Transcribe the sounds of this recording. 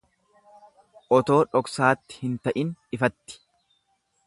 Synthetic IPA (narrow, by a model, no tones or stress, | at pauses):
ʔɔt̪o̞ːᶑɔksaːt̪ːɪ̥hɪnt̪ɐʔɪnɪfɐt̪ːɪ̥